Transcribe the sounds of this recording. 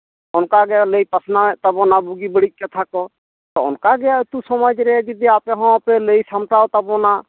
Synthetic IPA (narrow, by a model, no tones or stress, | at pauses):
ɔnkaɡɛaləjpasnaɛt̪abɔnabuɡibəɽit̚ˀkɛt̪ʰakɔ | t̪ɔɔ̰nkaɡɛjat̪usɔmɔd͡ʒɾɛd͡ʒid̪iapɛɦɔ̃pɛləjsamʈawt̪abɔna